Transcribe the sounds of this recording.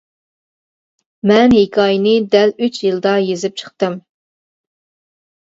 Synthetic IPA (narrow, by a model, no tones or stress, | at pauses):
mɛnɦekʰɑːjinɨd̪ɛlyt͡ʃjɨlˠd̪ɑjezɪp̚t͡ʃʰə̥χ̚t̪ɨm